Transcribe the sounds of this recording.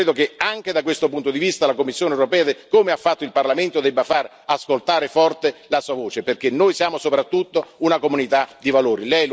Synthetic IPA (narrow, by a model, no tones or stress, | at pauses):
ɾeːd̪okeaŋk̟ed̪ak̬west̪opunt̪od̪ivist̪alakomːisːjoːnewɾopɛːad̪ekomeafːat̪ːoilparlament̪od̪ɛbːafar | askolt̪aːɾefɔrt̪elasuːavoːt͡ʃeperk̟enːoːjsjaːmosopɾat̪ːut̪ːounakomunit̪ad̪ivaloːɾilɛj